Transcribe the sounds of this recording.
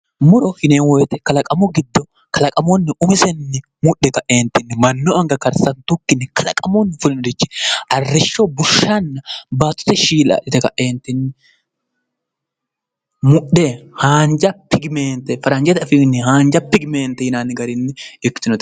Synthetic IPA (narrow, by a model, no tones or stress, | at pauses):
mʊɾɔhɪneːnwɔjt̪ɛkɐlɐkʼɐmɔɡɪd̪ːɔ | kʰɐlɐkʼɐmɔnːɪʊmɪsɛnːɪ | mʊʔːɛkɐʔeːnt̪ːɪnːɪmɐnːɔɐŋɡɐkɐɾsɐnt̪ʊkːɪnːɪkɐlɐkʼɐmonːɪfʊlɪnd̪ɪt͡ʃːɛ̥ʔɐrːɛʃːɔbʊʃːɐnːɐbaːt̪ːʊ̥t̪ɛʃiːlɐ̰ːᶑɪt̪ɛkɐʔeːnt̪ːɪnːɪ | mʊɗːehaːnd͡ʒɐpɪɡɪmeːnt̪ɛfɐɾɐnd͡ʒɛt̪ɐfɪnːɪhaːnd͡ʒɐpɪɡmeːnt̪ːɛhɪnaːnːɪɡɐɾɪnːɪɪkːt̪ɪnɔt̪